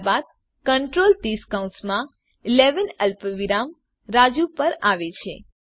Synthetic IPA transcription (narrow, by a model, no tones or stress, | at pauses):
bad̪̚ | kəɳʈɾolt̪iskaũnsmã | leʋənəlpʋiɾam | ɾad͡ʒupəɾaʋet͡ʃʰe